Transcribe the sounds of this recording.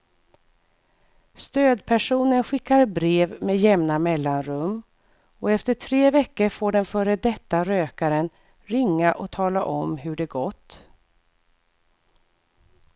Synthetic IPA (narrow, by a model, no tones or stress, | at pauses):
st̪øːd̪pʰæʂuːnənɧɪkːaɾbɾeːvmeːd̪jɛmnamɛlːanɾɵmː | ɔɛft̪əʈʰɾeːvɛkːəɾfoːɖɛnfœːɾəd̪ɛt̪ːaɾøːkaɾən | ɾɪŋːaʔɔt̪ʰɑːlaʔɔmɦɵɖɛɡɔt̪ː